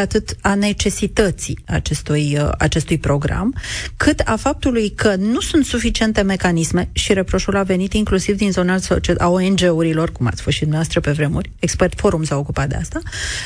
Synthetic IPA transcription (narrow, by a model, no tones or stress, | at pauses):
at̪ɨt̪ane̞t͡ʃe̞sit̪ət̪sia̰t͡ʃe̞st̪uja̰t͡ʃe̞st̪ujpɾo̞ɡɾa̰mkʰɨt̪afap̚t̪ulujkʰənusunt̪sufit͡ʃie̞nt̪e̞me̞kanisme̞ʃiɾepɾo̞ʃulave̞nit̪iŋklusivd̪inzo̞nasot͡ʃeʔaoend͡ʒe̞uɾilo̞rkuma̰t̪sʲfosʃid̪umnavast̪ɾəpe̞vɾe̞murʲekspert̪fo̞ɾumsaokupat̪̚d̪east̪a